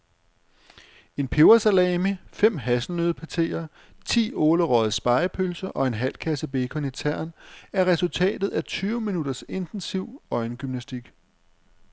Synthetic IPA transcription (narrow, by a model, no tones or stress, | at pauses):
e̝npʰeʊɐsælɛːmifem̰ɦæsl̩nøðˠpʰæt͡sʰe̝̰ːɐ | t͡sʰḭːɔːləʁɒðˠsb̥ɑ̈ɪpʰølsɐʔɒ̽e̝nɦæl̰kʰæsəb̥e̝ːkʰɒ̽nit͡sʰæɐ̰næɐʁɛsult͡sʰɛ̰ːd̥ð̞̩ˠæt͡sʰyːʊminuɾ̥ɐse̝nd̥ensiʊ̰ɒ̽ɪnɡ̥ymnæsd̥iɡ̥